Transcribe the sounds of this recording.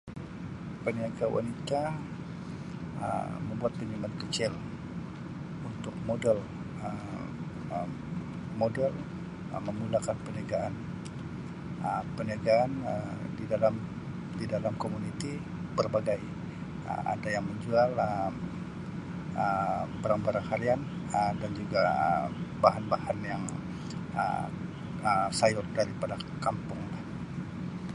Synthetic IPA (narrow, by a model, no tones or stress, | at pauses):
pəniaɡawa̰nit̪a | ə̰məmbuat̪̚pəɲumat̪̚kət͡ʃɪl | unt̪ʊk̚modɛl | ə | modɛl | ə̰məmulakanpəniaɡaʔan | əpəniaɡaːnədidalam | didalamkomunit̪i | bərbaɡaj | ə̰a̰dajaŋməɲd͡ʒualə | əbaɾaŋbaɾaŋkalianədand͡ʒuɡaə̰baɦanbahanjaŋ | ə̰ | əsajʊt̪̚daɾipadakampʊŋlah